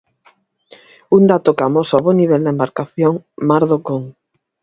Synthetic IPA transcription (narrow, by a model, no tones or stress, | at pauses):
und̪at̪okamosaβoniβ̞ɛld̪aembaɾkaθjoŋmaɾðokoŋ